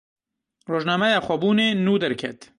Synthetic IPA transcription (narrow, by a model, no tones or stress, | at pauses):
roːʒnaːmɛjaːxʷɔbuːneːnuːd̪ɛɾkʰɛ̰t̪